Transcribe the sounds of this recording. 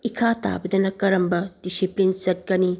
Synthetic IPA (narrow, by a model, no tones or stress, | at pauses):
ikʰata̰bɐdɐnɐkɐɾɐmbɐd̥isiplint͡ʃɐt̚kɐni